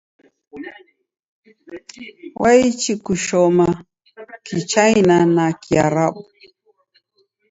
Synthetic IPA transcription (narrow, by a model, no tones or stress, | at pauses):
wʔait͡ʃikuʃɔma | kit͡ʃajnanakiaɾaɓu